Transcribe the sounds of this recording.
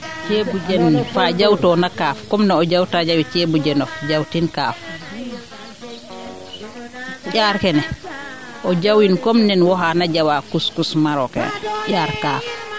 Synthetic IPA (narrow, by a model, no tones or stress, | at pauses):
t͡ʃebud͡ʒɛnfad͡ʒawtɔnakaːfkɔmnɛɔd͡ʒawtad͡ʒawit͡ʃebud͡ʒɛnɔfd͡ʒawtinkaːf | ʔaːɾkɛnɛ | ʔɔd͡ʒawinkɔmnɛnwɔɦanad͡ʒawakuskusmaɾɔkɛ̰nɛʄaːɾkaːf